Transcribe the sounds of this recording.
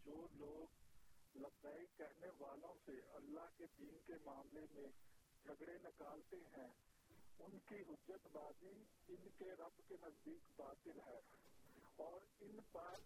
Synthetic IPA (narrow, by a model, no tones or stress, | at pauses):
d͡ʒoːloːɡlɐbzaːikɛɾneʋaːlõseɐlːaɦked̪iːnkemaːmlemẽ | d͡ʒʱɐɡɽenɪkaːlt̪eɦɛ̃ː | ʊnkiɦʊd͡ʒət̪baːd̪i | ɪnkeɾɐbkenɐzd̪iːkbaːt̪ɪlɦɛː | ɔːɾɪnpɛː